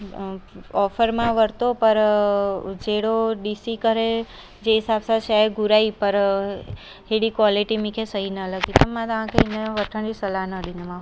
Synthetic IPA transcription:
ɔfəɾmãʋəɾt̪opəɾ | d͡ʒeɽoɖisikəɾe | d͡ʒeɦisabsat͡ʃʰaɡuɾaipəɾ | heɽikʋɔliʈimikʰesəɦinələɡit̪əmːãt̪ãkʰəineʋəʈʰə̃ɳɖisəlanəd̪inemã

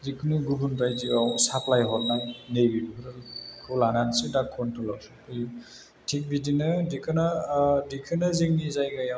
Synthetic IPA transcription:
zikʰɯnuɡubunpajdiawsapʰlajɦɔt̚najnejbibiɦɯɾalkʰɔlanansɯdakʰːɔntʰɔlawsupʰɯi | tʰik̚bidinɯdikʰɯnadikʰɯnaziŋnizajɡaja

